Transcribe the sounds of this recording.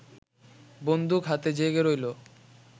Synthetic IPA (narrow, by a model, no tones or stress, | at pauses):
bond̪ʱukɦat̪ed͡ʑeɡeɾojlo